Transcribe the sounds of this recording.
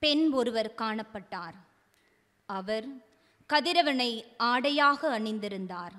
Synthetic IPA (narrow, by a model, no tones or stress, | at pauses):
pɛnɔɾɯʋɐɾkaːɳɐpːɐʈːaːɾ | ɐʋɐɾ | kɐðɪɾɐʋɐnɐɪʔaːɽɐjaːɣɐːɳɪnd̪ɪɾɯnd̪aːɾ